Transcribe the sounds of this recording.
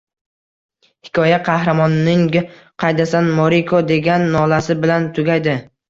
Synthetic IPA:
hɪ̥kʰʲɒjaqʰɑhɾamɒnːɪŋʲ | qʰɑjd̪asanmoɾikʰod̪e̞ɡʲanːɒlasɪbɪlant̪ʰʊɡʲajd̪ɪ

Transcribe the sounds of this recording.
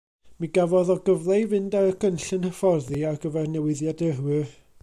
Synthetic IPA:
miɡavɔðɔɡəvlˠejvɨndaɾəɡʰənɬɨnhəfɔrðiaɡəvɛrnɛwɪðjadərwɨ

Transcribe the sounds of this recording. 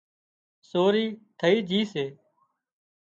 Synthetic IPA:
soːɾiːt̪ʰəiːd͡ʒʱiːseː

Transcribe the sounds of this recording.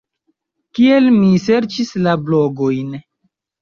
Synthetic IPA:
kie̞lmise̞ɾt͡ʃislablo̞ɡo̞jn

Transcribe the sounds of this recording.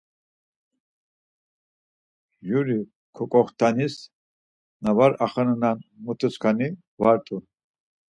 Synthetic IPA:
juɾi | kʰɔkʼɔχt̪ʰanis | navaɾaχənnanmut̪ʰuskʰani | vaɾt̪ʼu

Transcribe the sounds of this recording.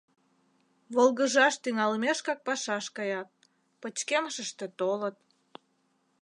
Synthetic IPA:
βolɣəʒɑʃt̪yŋɑləmeʃkɑk̚pɑʃɑʃkɑjɑt̪̚ | pət͡ɕkeməʃəʃt̪et̪olət̪̚

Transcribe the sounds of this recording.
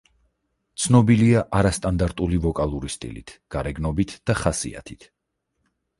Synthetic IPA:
t̪sʰnɔbiliaʔaɾast̪ʼand̪aɾt̪ʼulivɔkʼalˠuɾist̪ʼḭlḭt̪ʰɡ̥aɾɛɡnɔbit̪ʰd̥̪aχasḭa̰t̪ʰi̥t̪ʰ

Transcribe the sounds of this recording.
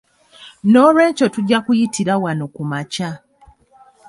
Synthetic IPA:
noɾwe̞ːɲco̞tuɟːakujitiɾawano̞kumaca

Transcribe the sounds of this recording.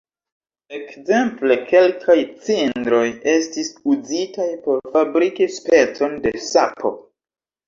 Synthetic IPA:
e̞kze̞mple̞ke̞lkʰajt͡sindɾo̞jestisuzitajpo̞ɾfabɾikispe̞t͡so̞nde̞sapʰo̞̰

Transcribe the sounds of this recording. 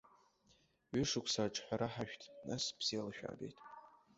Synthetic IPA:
ɥʏʂɨkʷʰsaʈ͡ʂʰʼħʷᶣaɾaħaʃᶣtʰnaspʰz̥ialaʃᶣa̰ːbe̞̰jtʼ

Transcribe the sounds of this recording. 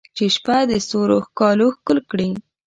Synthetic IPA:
t͡ʃeʃpad̪əsoɾoxkɑloxkʊlkɽi

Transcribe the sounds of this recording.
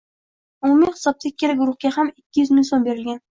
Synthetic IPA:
ʊmumɪŋʲχɪ̥sɒp̚t̪ʰakʲːeɾaɡʊɾʊχɡʲahamɪkʲʰːɪjʏzmɪŋsombe̞ɾɪlɡʲan

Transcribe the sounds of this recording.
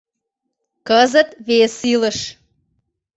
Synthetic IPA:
kəzət̪βesiləʃ

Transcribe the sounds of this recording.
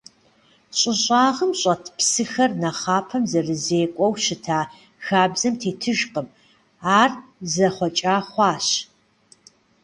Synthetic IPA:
ɕʼɪɕʼaːʁəmɕʼɐtʰpsɨxɐrnɐχaːpʰɐmzɐrɨzeːkʷʼɔwʃɪtʰaː | xaːbzɐmtʰeːtʰɨʒqəm | aːrzɐχʷɔt͡ʃʼaːχʷɑːɕ

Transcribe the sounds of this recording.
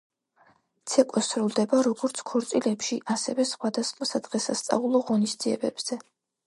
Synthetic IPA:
t̪sʰɛkʼɔsɾulˠd̪ɛbaɾɔɡɔɾt̪sʰkʰɔɾt̪sʼilɛpʃiʔasɛ̰vɛsχwad̪asχmasad̪ʁɛsast̪sʼa̰ulˠɔʁɔnisd̪ziɛ̰bɛb̥z̥ɛ

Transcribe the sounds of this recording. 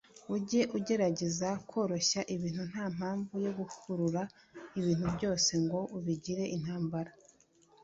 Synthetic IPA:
uɟe̞ʔuɟe̞ɾaɟe̞zakʰo̞ːɾo̞ʃaʔiβiːn̥hun̥aːm̥aːɱvujo̞ɡuhuɾuɾa | iβiːnhubɟo̞ːse̞ŋɡo̞ʔuβiɟiɾe̞ʔin̥haːmbaɾa

